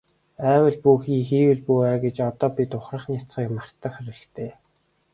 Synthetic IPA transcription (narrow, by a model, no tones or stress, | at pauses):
æːwə̆ɮpuːxiːŋxiːwɘ̆ɮpuæːɡet͡ɕɔt̪ɔːpʲit̪ʊχrə̆χnit͡sχiːkmar̥t̪ə̆χæɾʲɘ̆kt̪ʰeː